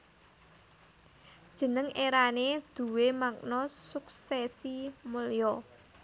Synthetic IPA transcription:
d̥ʒ̥ə̤nəŋeɾaned̪̥ṳwemak̚nɔsuk̚sɛsimuljɔ

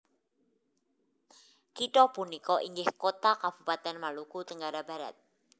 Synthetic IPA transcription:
kiʈɔpunikɔʔiŋɡɪhkot̪akab̥upat̪ɛnmalukut̪əŋɡaɾabaɾa̰t̪̚

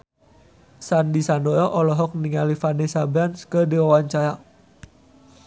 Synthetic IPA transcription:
sandisandɔɾɔʔɔlɔɦɔk̚niŋalifanesabɛnskədiwawaɲt͡ʃaɾa

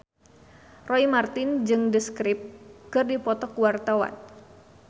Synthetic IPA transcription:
rɔimart̪ɪnd͡ʒɨŋdəskɾɪp̚kɨrdipɔt̪ɔkuwart̪awa̰n

